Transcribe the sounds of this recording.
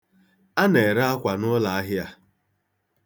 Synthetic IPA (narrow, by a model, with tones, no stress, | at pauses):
a˦ne˨ɾa˦a˦kʷa˨nʊ˦la˨a˦ɦɪ˦a˦